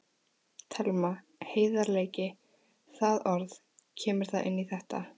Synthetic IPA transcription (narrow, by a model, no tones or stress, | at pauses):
t̪ʰɛlma | heːjðaɾleːjcɪ | θaðɔɾð | cʰɛːmɪɾ̥θaðʔɪ̰nːiθɛht̪a